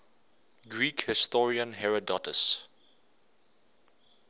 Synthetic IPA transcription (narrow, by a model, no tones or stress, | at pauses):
ɡɹiːkhɪstɔɹiə̃nɦɛɹədɔtəs